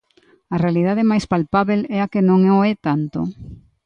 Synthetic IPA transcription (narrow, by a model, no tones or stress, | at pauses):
ɐrealiðað̞ɪmajspalpaβelɛakenõŋɛoɛt̪ant̪o̰